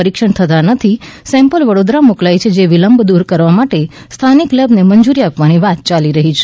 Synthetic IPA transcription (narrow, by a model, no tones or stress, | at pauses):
əɾikʃəɳt̪ʰət̪anət̪ʰisɛ̃mpəlʋəɽod̪ɾamuklajt͡ʃʰed͡ʒeʋiləmbʱd̪uɾkəɾʋamaʈe | st̪ʰaniklɛbneməɲd͡ʒuɾiapʋaniʋat̪̚t͡ʃaliɾəɦit͡ʃʰe̥